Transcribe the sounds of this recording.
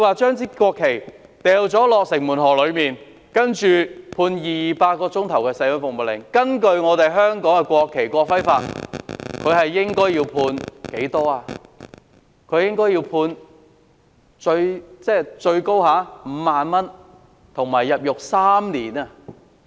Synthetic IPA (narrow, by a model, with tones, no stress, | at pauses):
kwaː˨˧t͡ʃœː˥ŋt͡siː˥kʷɔː˧kʰːe˨˩jt̪ɛː˨wt͡sɔː˨˥lɔː˨k̚sɪ˨˩ŋmuː˨˩nɦɔː˨˩lɵ˨˧ɥmiː˨˩n | kɐ˥nt͡ʃyː˨pʰuː˧njiː˨jiː˨paː˧t̚kɔː˧t͡sʊ˥ŋt̪ʰɐ˨˩wkɛː˧sɐ˧jlʊ˨˧nfʊ˨k̚mʊ˨t̚lɪ̰˨˩ŋkɐ˥nkɵ˧ɥŋɔː˨˧t̪e˨jɦœː˥ŋkɔː˨˥ŋkɛ˧kʷɔː˧kʰːe˨˩jkʷɔː˧k̚fɐ˥jfa̰ː˧t̚kʰɵ˨˧ɥɦɐ˨jːɪ˥ŋkɔː˥jiː˧wpʰuː˧nke˨˥jt̪ɔː˥aː˨˧ | kʰɵ˨˧ɥjɪ˥ŋkɔː˥jiː˧wpʰuː˧n | t͡ʃɵ˧ɥt͡sɛː˥t͡ʃɵ˧ɥko˥whaː˨˥m̩˨˦maː˨nmɐ˥n | t̪ʰʊ˨˩ŋmaː˨˩jːɐ˨p̚jʊ˨k̚saː˥mniː˨˩naː˧